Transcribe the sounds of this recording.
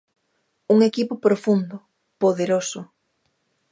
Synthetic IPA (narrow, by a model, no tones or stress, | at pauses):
uŋekipʊpɾofund̪ʊ | poðeɾosʊ